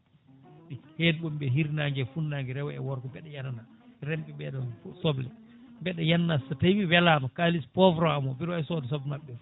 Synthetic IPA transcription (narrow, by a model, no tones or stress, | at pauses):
ɓihedɓɔmɓɛɦiɾnaŋɡɛfunːaŋɡɛɾɛwɛɛ̰wɔɾkɔbɛɗɛjanana | ɾɛmpɛbɛɗɔsɔblɛ | bɛɗɛjanːasatajwiwɛlaːmakalispɔvɾɔamɔbiɾwaɛsɔdɛsɔblɛmaɓːɛ